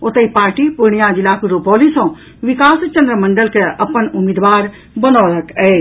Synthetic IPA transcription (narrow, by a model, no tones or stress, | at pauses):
ot̪əipaːɾʈipuɽ̃ijad͡ʒilakɾupɔːlisɔ̃ | ʋikaːst͡ʃə̃nd̪ɾəmə̃ɳɖəlkʰeɐpənʊmid̪ʋaːɾ | bənoːləkɛː